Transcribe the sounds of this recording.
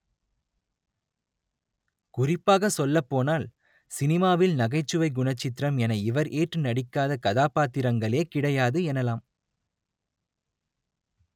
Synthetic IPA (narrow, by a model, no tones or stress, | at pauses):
kʊrɪpːaːɣɐsɔlːɐpːoːnaːl | sɪnɪmaːʋɪlnɐɣɐɪt͡ʃːɯʋɐɪɡʊɳɐt͡ʃːɪt̪ɪɾɐmɛnɐɪʋɐɾʔeːʈrɯnɐɽɪkːaːðɐkɐðaːpaːt̪ːɪɾɐŋɡɐɭeːkɪɽɐjaːðɯɛnɐlaːm